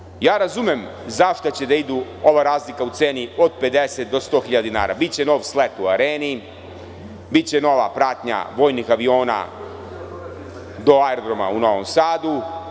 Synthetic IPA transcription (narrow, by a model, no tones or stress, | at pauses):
jaːɾazumjemzaʃt̪at͡ɕe̞d̪aid̪uo̞ʋaɾaːzlikaut̪seːnio̞d̪̚pe̞d̪eset̪̚d̪o̞st̪o̞ːxiʎad̪ina̰ːɾa̰bit̪̚t͡ɕe̞no̞ːʋslet̪uaɾeːni | bit̪t͡ɕe̞no̞ʋa̰pɾaːt̪ɲa̰ʋo̞ːjnixaʋio̞ːna̰ | d̪o̞aeɾod̪ɾo̞ma̰uno̞ʋomsaːd̪u